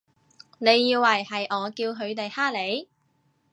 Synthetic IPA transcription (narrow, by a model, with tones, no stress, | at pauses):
ne˨˧jːiː˧wɐ˨˩jhɐ˨jʔɔː˨˧kiː˧wɦɵ˨˧ɥt̪e˨jhaː˥le˨˥j